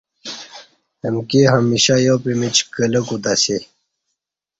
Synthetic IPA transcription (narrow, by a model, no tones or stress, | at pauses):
emkiɦɐmiɕajopimit͡ɕkələkud̪ɐsi